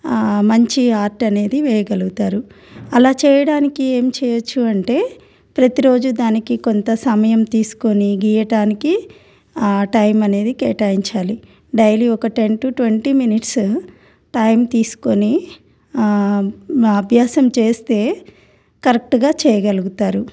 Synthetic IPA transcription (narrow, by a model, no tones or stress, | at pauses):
mɐɲt͡ʃiaːɾʈɐne̞ːd̪iʋɛːjɐɡɐluɡut̪aːɾu | ɐlaːt͡ʃɛːjɐɽaːnikie̞ːmt͡ʃɛːjɐt͡ʃːuɐɳʈe̞ː | pɾɐt̪iɾo̞ːd͡ʒud̪aːnikiko̞nt̪ɐsɐmɐjɐmt̪iːsu̥koniɡiːjɐʈaːniki | ʈɐjmɐne̞ːd̪ikɛ̰ːʈaːjiɲt͡ʃaːli | ɖɐjliɔkɐʈe̞ɳʈuʈʋeɳʈiminiʈs | ʈɐjmt̪iːsu̥koni | ɐbʱjaːsɐmt͡ʃeːst̪e̞ː | kɐɾek̚ʈɡaːt͡ʃɛːjɐɡɐluɡut̪aːɾu